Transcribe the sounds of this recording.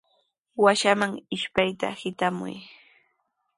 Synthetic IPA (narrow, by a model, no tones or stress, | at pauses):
waʃamaŋɪʃpajt̪a̰hɪt̪amʊ̰j